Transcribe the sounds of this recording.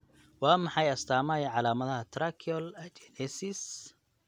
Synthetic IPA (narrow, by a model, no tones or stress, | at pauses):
wɑːmɑħɑjɐst̪ʰaːmɐːjɐʕɑlaːmɐðɐɦɐt̪ʰɾakʰɪɔlɐt͡ʃɛnɛsɪs